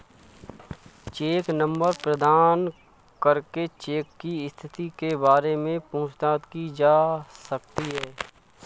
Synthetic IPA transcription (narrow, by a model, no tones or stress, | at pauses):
t͡ʃeːknə̃mbəɾpɾəd̪ʱaːn | kəɾket͡ʃeːkːiɪst̪ʰɪt̪ikebaːɾemẽpɐ̃ʊ̃t͡ʃt̪aːt̪kid͡ʒaːsək̚t̪iɦɛː